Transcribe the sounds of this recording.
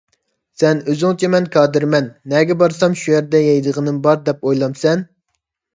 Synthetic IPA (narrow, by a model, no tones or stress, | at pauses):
sɛnøzyŋt͡ʃʰɛmɛnkʰɑːd̪ɨɾmɛnːɛɡʲɛbɑɾsɑmʃujæɾd̪ɛjɛjd̪əʁənɨmbɑɾd̪ɛpojlˠɑmsɛn